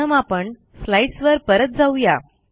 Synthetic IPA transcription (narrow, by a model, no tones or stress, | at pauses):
əmapəɳ | slaiɖsʋəɾpəɾət̪̚d͡zauja